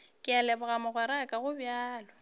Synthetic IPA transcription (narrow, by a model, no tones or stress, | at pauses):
kʼɪalɛbʊɣamʊɣwɛɾakʼaɣʊbjaːlɔ